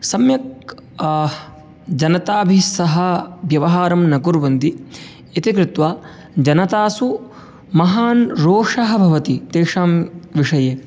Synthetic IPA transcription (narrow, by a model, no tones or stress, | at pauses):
sɐmjɐk̚ | d͡ʒɐnɐt̪aːbʱisɐɦɐ̆bjɐʋɐɦaːɾɐmnɐɡuɾʋɐnd̪i | it̪ikɾɪt̪ʋaː | d͡ʒɐnɐt̪aːsu | mɐɦaːnɾoːʂɐɦɐ̆bʱɐʋɐt̪it̪eːʂaːmʋiʂɐjeː